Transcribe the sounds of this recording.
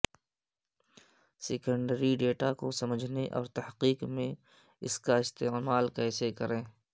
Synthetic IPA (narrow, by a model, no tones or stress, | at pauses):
seːkəɳɖəɾiɖeːʈakosɐməd͡ʒʱneʔɔ̰ːɾt̪ɐhqiːqmẽ | ɪskaɪst̪eːmaːlkɛːsekəɾẽː